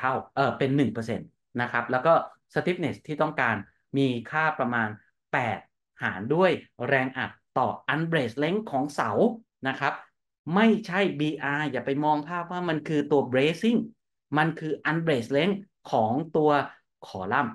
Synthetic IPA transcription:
t̪ʰa˥˩wʔɤː˨˩pe˧nːɯ˨˩ŋpɤː˧sḛ˧nː | a˦˥kʰa˦˥p̚lɛː˦˥wkɔː˥˩ | sa˧t̪ʰi˦˥p̚ne˨˩st̪ʰiː˥˩t̪ɔ˥˩ŋkaː˧n | miː˧kʰaː˥˩pɾa˧maː˧n | pɛː˨˩t̪̚ | ha̰ː˩˦ndu˥˩əjɾɛː˧ŋʔa̰˨˩k̚t̪ɔː˨˩ʔa˧nbɾeː˨˩sle˦˥ŋkʰɔː˩˦ŋsa˩˦w | na˦˥kʰa˦˥p̚ | ma˥˩jt͡ɕʰa˥˩jbiː˧ʔaː˧jaː˨˩pa˧jmɔː˧ŋpʰaː˥˩p̚waː˥˩ma˧nkʰɯː˧t̪u˧ɐbɾeː˦˥si˥˩ŋ | ma˧nkʰɯː˧ʔa˧nbɾeː˨˩sle˦˥ŋ | kʰɔː˩˦ŋt̪u˧ɐ | kʰɔː˩˦la˥˩m

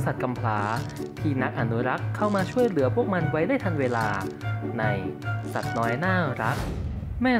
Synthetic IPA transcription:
sa˨˩t̪̚ka˧mpʰlaː˩˦t̪ʰiː˧˩na˦˥k̚ʔa˧nu˦˥ɾa˦˥kʰːa˥˩wmaː˧t͡ɕʰu˥˩əjlɯ˨˩˦pʰu˥˩ək̚ma˧nwa˦˥jdaː˥˩jt̪ʰa˧ŋweː˧laː˧na˧jsa˨˩t̪̚nɔː˦˥jnaː˥˩ɾa˦˥k̚ | mɛː˥˩

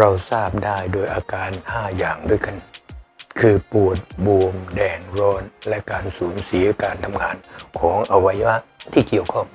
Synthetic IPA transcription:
ɾa˧wsaː˥˩p̚daː˥˩jdoː˧jʔaː˧kaː˧nhaː˥˩jaː˨˩ŋdu˥˩əjka˧˩n | kʰɯː˧pu˨˩ət̪̚buː˧əmdɛː˧ŋɾɔː˧nlɛ˦˥kaː˧nsuː˩˦nsi˨˩˦ɐ˦kaː˧nt̪ʰa˧mŋaː˧nkʰɔː˩˦ŋʔa˧wa˧ja˦˥˩t̪ʰiː˥˩ki˨˩əwkʰɔ˥˩ŋ

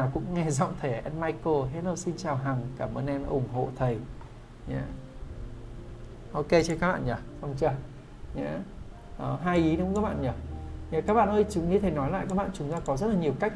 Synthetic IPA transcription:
naː˨˩wkʊ̰˧˥ŋ͡mŋɛ˧zɔ̰˧˨ŋ͡mt̪ʰe˧˩ʔɛ˧nmaː˧jko˧ɦe˦˥t̚ə˧˩si˧nt͡ɕaː˨˩wɦa˨˩ŋkaː˧˩məː˧nʔɛ˧nʔʊ˧˩ŋ͡mɦo̰˧˨t̪ʰə˨˩j | ɲaː˧˦ | ʔo˧ke˧t͡ɕe˧nkaː˦˥ɓa̰ː˧˨ɲə˨˩sa˧wŋ͡mt͡ɕə˧ | ɲaː˧˦ | ʔəː˨˩ɦaː˧jʔi˨˦n˨˦˥ŋ͡mka˦k̚ɓa̰ː˧˨nɲə˨˩ɲaː˨˩kaː˦˥k̚ɓa̰ː˧˨nʔəː˧jt͡ɕʊ˨˦ŋ͡mɲɨ˧t̪ʰe˧˩nɔ˨˦jla̰ː˧˨jkaː˦˥k̚ɓa̰ː˧˨nt͡ɕʊ˨˦ŋ͡mzaː˧kɔ˨˦zə˦˥t̚la˨˩ɲi˨˩əwka˦˥k̚

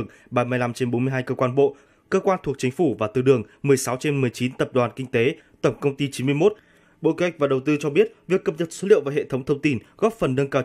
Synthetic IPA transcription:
əŋ | ɓaː˧˩mɨ˧əjla˧mt͡ɕe˧nɓo˨˦nmɨ˧əjɦaː˧jkəː˧kwaː˧nɓo̰˧˨ | kəː˧kwaː˧nt̪ʰu˨˩ək̚t͡ɕï˨˦ŋ̟fu˧˩vaː˨˩t̪ɨ˧ɗɨ˨˩əŋmɨ˨˩əjsa˨˦wt͡ɕe˧nmɨ˨˩əjt͡ɕi˨˦nt̪ə˨˩p̚ɗwaː˨˩nkï˧ŋ̟t̪e˨˦ | t̪ə˧˩ŋ͡mkə˧wŋ͡mt̪i˧t͡ɕi˨˦nmɨ˧əjmo˦˥t̚ | ɓo̰˧˨ke˨˦ha˨˩jk̚vaː˨˩ɗə˨˩wt̪ɨ˧t͡ɕɔ˧ɓi˦˥ət̚vi˨˩əkːə˨˩p̚ɲə˨˩t̚so˨˦lḭ˧əvaː˨˩ɦḛ˧˨t̪ʰə˨˦wŋ͡mt̪ʰə˧wŋ͡mt̪i˧nɣɔ˦˥p̚fə˨˩nːə˧nkaː˧

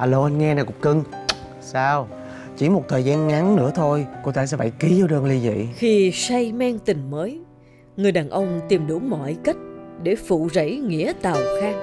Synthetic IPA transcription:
ʔaː˧lo˧ʔa˧nŋɛ˧na˨˩jkʊ̰˧˥ŋ͡mkɨ˧ŋ | saː˧w | t͡ɕḭ˧˩mo˨˩t̚t̪ʰəː˨˩jzaː˧nŋa˨˦nnɨ̰˧˥ət̪ʰo˧jko˧t̪aː˧sɛ̰˧˥fa̰˧˩jki˨˦za˨˦ɗəː˧nli˧zḭ˧˨xi˧sa˧jmɛ˧ŋt̪ï˨˩ŋ̟məː˨˦j | ŋɨ˨˩əjɗaː˨˩nʔə˧wŋ͡mt̪i˨˩mɗu˧˩˦mɔ̰˧˨jkə˦˥jt̚ɗe˧˩fṵ˧˨zə̰˧˥˩jŋḭ˧˥ət̪a˨˩wxaː˧ŋ

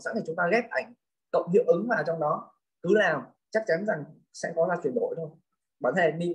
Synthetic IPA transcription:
sa̰˧˥nt̪ʰi˨˩t͡ɕʊ˨˦ŋ͡mt̪aː˧ɣɛ˦˥p̚ʔa˨˩jŋ̟ | kə̰˧˨wŋ͡mhḭ˧˨wʔɨ˨˦ŋvaː˨˩wt͡ɕwŋ͡mɗɔ˨˦ | kɨ˨˦laː˨˩w | t͡ɕa˦˥k̚t͡ɕa˨˦nza˨˩ŋ | sɛ̰˧˥kɔ˨˦zaː˧t͡ɕwi˨˩ənɗo̰˧˨jt̪ʰo˧j | ɓaː˨˧˩nt̪ʰe˨˩mḭ˧˨

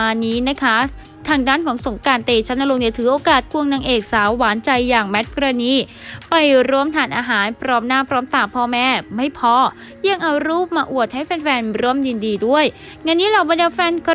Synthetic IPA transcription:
niː˦˥na˦˥kʰa˦˥ | t̪ʰaː˧ŋdaː˥˩nkʰɔː˩˦ŋso˩˦ŋkaː˧nt̪eː˧t͡ɕʰa˦˥nʔa˧lo˧ŋni˧˩t̪ʰɯː˩˦ʔoː˧kaː˨˩t̪̚kʰu˧əŋnaː˧ŋʔeː˨˩k̚saː˨˩˦wːaː˩˦˥nt͡ɕa˧jːaː˨˩ŋmɛ˦˥t̪̚kɾaː˧niː˦˥˩ | pa˧jɾu˦˥əmt̪ʰaː˧˩nʔaː˧ɦaː˩˦npʰɾɔː˦˥mnaː˥˩pʰɾɔː˦˥mt̪aː˨˩pʰɔː˧mɛː˥˩ma˥˩jpʰɔː˦˥ | jɯ˥˧˩əŋʔa˧wɾuː˥˩p̚maː˧ʔu˨˩ət̪̚ha˥˩jpe˧nfɛː˧nɾu˦˥əmdi˧ndiː˧du˥˩əj | ŋa˧nːiː˦˥ɾaː˨˩wba˧nda˧fɛː˧nkʰ

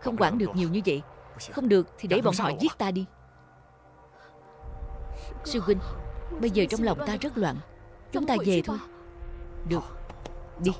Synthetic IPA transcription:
xə˧wŋ͡mkwaː˧˩nɗɨ˨˩ək̚ɲi˨˩wɲɨ˧və̰˧˨jxə˧wŋ͡mɗɨ˨˩ək̚t̪ʰi˨˩ɗe˧˩˦ɓɔ˧˩nhɔ̰˧˨jzi˦˥ət̚t̪aː˧ɗi˧ | si˧ki˧ŋ̟ɓə˧jzəː˨˩t͡ɕɔ˧wŋ͡mla˨˩wŋ͡mt̪aː˧zə˦˥t̚lwa̰ː˧˨nt͡ɕʊ˨˦ŋ͡mt̪aː˧ze˨˩t̪ʰo˧j | ɗɨ˨˩ək̚ɗi˧

